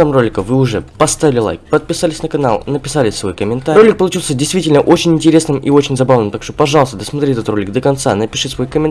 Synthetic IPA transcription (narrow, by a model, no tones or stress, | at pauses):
amrolʲɪkəvɨʊʐɛpɐst̪avʲɪlʲɪlˠa̰jkpət̪̚pʲɪsalʲɪsʲnəkɐna̰lˠnəpʲɪ̥salʲɪsʲsvo̞̰jkəmʲɪnt̪aɾolʲɪk̚pəlˠʊt͡ɕilˠsʲədʲɪjst̪vʲitʲɪlʲnəʔot͡ɕɪnʲɪnʲtʲɪɾʲe̞snɨmʔḭo̞t͡ɕɪnʲzɐbavnɨmt̪akʂt̪opɐʐɑlˠəst̪əd̪əsmɐt̪ɾʲitʲɛt̪ət̪ro̞lʲɪk̚d̪əkɐnt̪sa̰nəpʲɪʂɨsvo̞jkəmʲɪn